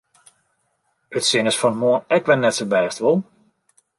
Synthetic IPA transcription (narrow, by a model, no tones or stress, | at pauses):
ətsɪŋəsfɔnəmoənɛkʋɛnnɛtsəbɛːstʋɔlˠ